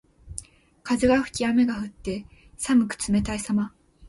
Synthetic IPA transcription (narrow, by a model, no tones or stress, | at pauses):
kazɨɡaɸɯ̟̥kʲiame̞ɡaɸɯ̟t̪ːe̞ | samɯ̟kɯ̟̥t͡sɨme̞t̪aisama